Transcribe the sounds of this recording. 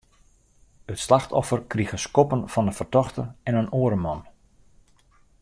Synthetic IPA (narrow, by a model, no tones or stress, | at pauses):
ətslaxtʰɔ̰fərkriɣəskɔpənfɔnəfərtɔxtəɛnənoəɾəmɔn